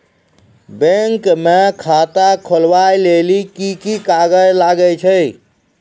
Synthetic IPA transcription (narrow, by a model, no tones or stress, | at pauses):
beŋkmekʰat̪akʰolʋajlelikikikaɡəd͡ʒlaɡəjt͡ʃʰəj